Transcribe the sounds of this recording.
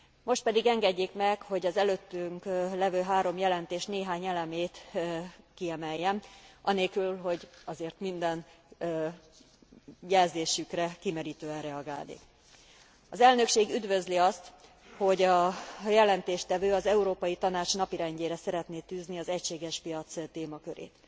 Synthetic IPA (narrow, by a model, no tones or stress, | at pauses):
mo̞ʃt̪̚pɛd̪iɡɛŋɡɛɟːeːkmɛkho̞ɟɒzɛløːt̪ːyŋklɛvøːɦaːɾo̞mjɛlɛnt̪eːʃt̪neːɦaːɲɛlɛmeːt̪ | kiɛmɛjːɛnʔɒneːlkylɦo̞ɟɒzeːrt̪mind̪ɛn | jɛlzeːʃykrɛkimɛɾiːt̪øːɛnrɛɒɡaːlnḭːk | ɒzɛlnø̞kʃeːɡyd̪vø̞zliɒst̪ | ho̞ɟɒjɛlɛnt̪eːʃt̪ɛvøːɒzɛuɾoːpɒjit̪ɒnaːt͡ʃnɒpiɾɛɲɟeːɾɛsɛɾɛt̪neːt̪yːzniɒzɛcʃeːɡɛʃpijɒt̪st̪eːmɒkø̞ɾḛːt̪